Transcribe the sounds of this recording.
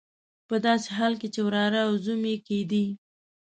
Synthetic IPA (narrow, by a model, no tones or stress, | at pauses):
pəd̪ɑseɦɑlket͡ʃewɾɑɾaːwzumeked̪i